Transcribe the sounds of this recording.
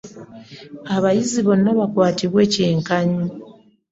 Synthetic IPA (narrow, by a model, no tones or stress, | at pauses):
aβajiziβo̞nːaβakwaːtiβwe̞ːce̞ːŋkaɲu